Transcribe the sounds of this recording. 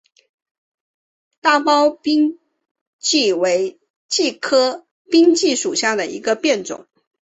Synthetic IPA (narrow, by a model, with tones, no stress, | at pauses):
t̪a˥˩pɑ˥ʊpi˥ŋ | t͡ɕi˥˩we˧˥ɪ | t͡ɕi˥˩kʰɤ˥ | pi˥ŋt͡ɕi˥˩ʂu˨˩ɕja˥˩d̪ə˩ḭ˧˥ɡə˧pjɛ˥˩nt͡sʊ̰˨˩˦ŋ